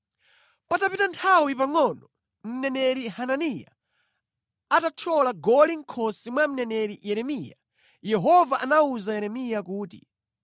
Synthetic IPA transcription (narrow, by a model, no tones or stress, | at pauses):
patapitantʰawipaŋɔnɔ | m̩nɛnɛɾihananija̰ | atat͡ʃʰɔlaɡɔliŋ̩kʰɔsimwam̩nɛnɛɾijɛɾɛmija̰ | jɛɦɔvaʔanauzajɛɾɛmijakuːtḭ